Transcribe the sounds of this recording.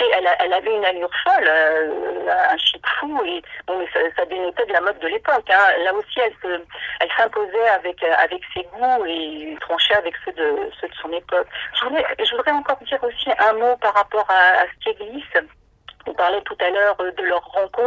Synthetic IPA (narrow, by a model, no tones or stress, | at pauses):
eɛlaʔɛlavɛynalyʁfɔlø | ɛ̃ɛ̃ʃit̪fuebɔ̃mɛsasad̪enɔt̪ɛd̪əlamɔd̪̚ːəlepɔkɛ̃laosiɛlsəɛlsɛ̃pozɛavɛkøa̰vɛkseɡuet̪χɑ̃ʃɛavɛksød̪əsød̪əsɔ̃nepɔkʒəvud̪ʁɛʒəvud̪ʁɛɑ̃kɔʁd̪iʁosiʔɛ̃mopaʁːapɔʁa̰ːsə̥k̪eɡlis | ɔ̃paʁlɛt̪ut̪alœʁd̪əlœʁːɑ̃kɔ̃